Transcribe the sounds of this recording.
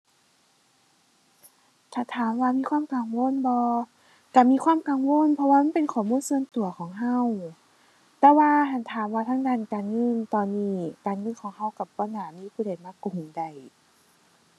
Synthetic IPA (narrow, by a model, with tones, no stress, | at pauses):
t̪ʰaː˧˩t̪ʰaː˨˦mwaː˧miː˧˥˨kʰwaː˧˥˨mka˨˩ŋwo˧˥˨nbɔː˧ | ka˧˩miː˧˨kʰwaː˧˥˨mka˨˩ŋwo˧˥˨npʰɔ˧waː˧ma˧˥˨pe˨nkʰɔː˨˩muː˧˥˨nsɯ˧ənt̪u˨˩ɐkʰɔː˨˦ŋɦa˧˥˨w | t̪ɛː˧waː˧ɦa˧˩nt̪ʰaː˨˦mwaː˧t̪ʰaː˧˥˨ŋdaː˧˨nkaː˨nŋɤ˧˥˨nt̪ɔː˨nːiː˧˩kaː˨nŋɤ˧˥˨nkʰɔː˨˦ŋɦa˧˩wka˧˩p̚pɔː˧˩naː˨˩˦miː˧˨kʰuː˧˩da˨˩jmaː˧˥˨ku˨˩nda˧˩j